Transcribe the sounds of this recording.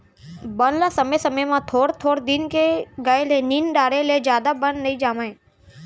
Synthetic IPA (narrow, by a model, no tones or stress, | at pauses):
bənlaːsəməsəməjmãːt̪ʰoːɽt̪ʰoːɽd̪ɪnkeɡaeleːniːnɖaːɽeleːd͡ʒjaːd̪abənnəĩːd͡ʒaːmaẽː